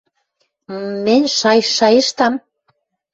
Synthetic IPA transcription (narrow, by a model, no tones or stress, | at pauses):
menʲʃɑjʃɑjĕʃt̪ɑm